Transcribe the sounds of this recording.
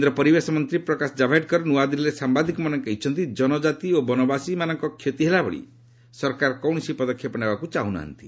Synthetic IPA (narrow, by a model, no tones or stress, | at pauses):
nd̪ɾɔpɔɾibesɔmɔnt̪ɾipɾɔkasɔd͡ʒabʱajɖkɔɾɔnuad̪iɾiɾesambad̪ʱikɔmanɔŋkeit͡ʃʰɔnt̪id͡ʒɔnɔd͡ʒat̪iobɔnɔbasimanɔŋkɔkʰjet̪iɦelabɔ̰ɭḭ | sɔɾkaɾkɔwɳ̃sipɔd̪ɔkʰːjɔpɔnebakut͡ʃaɦuna̰ɦa̰nt̪i̥